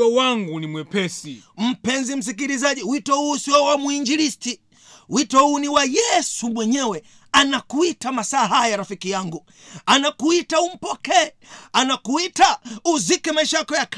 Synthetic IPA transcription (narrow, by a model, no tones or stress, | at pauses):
ɔwaŋɡunimwɛpɛsim̩pɛnzim̩s̬ikiɾizaʄiwitɔhuːsiɔwamuiɲd͡ʒiɾisti | witɔhuːniwajɛsumwɛɲɛwɛ | anakuitamasaːɦajaɾafikijaŋɡu | anakuitaum̩pɔkɛ | anakuitauzikɛmaiʃajakɔjak